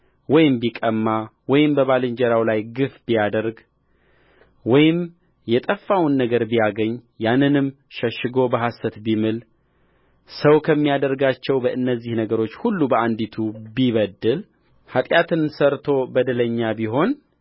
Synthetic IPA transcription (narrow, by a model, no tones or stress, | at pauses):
wɔjɪmbikʼəmːawɔjɪmbəβalɨɲd͡ʒɛɾawlajɡɨfbijad̪əɾɡ | wɔjɪm | jɛt̪ʼəfːawnːəɡəɾbijaɡəɲːjanːɨnɨm | ʃəʃːɨɡo̞bəɦasət̪bimɨl | səwkʰəmːijad̪əɾɡat͡ʃːɛwbəʔɨnːəzːihnəɡəɾo̞t͡ʃːhulːubəʔand̪it̪ʰubiβəd̪ːɨl | hat̪ʼjat̪ʰɨnsəɾt̪ʰo̞bəd̪ɨləɲːabiɦo̞n